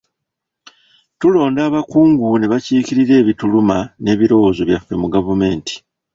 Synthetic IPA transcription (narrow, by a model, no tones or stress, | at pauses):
tulo̞ːndaːβakuːŋɡune̞βaciːkiɾiɾe̞ːβitulumane̞ːβiɾo̞wozo̞βjafːe̞muɡavume̞ːntʰi̥